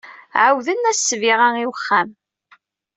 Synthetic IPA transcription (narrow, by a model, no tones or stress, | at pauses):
ʕawðənːæssːviʁæŋiwəχːæm